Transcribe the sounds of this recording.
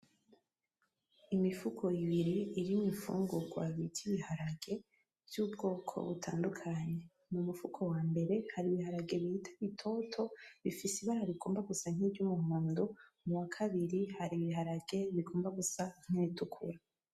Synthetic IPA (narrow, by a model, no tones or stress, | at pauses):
imifukʰo̞iβiɾiːɾimifṵːŋɡoɡwaβitʰiβihaɾaɡe̞ | vjuːbɡo̞ːkʰo̞̰βṵtʰa̰ːndukʰaɲe̞ | mumufukʰo̞waːmbe̞ɾe̞haɾiβiɦaɾaɡe̞βihitʰaβitʰo̞tʰo̞βifisiβaɾaβiɡo̞ːmbaɡusaŋ̥ivɟumuhuːndo | muwakʰaβiɾihaɾiβihaɾaɡe̞βiɡo̞ːmbaɡusaŋ̥initʰukʰṵɾa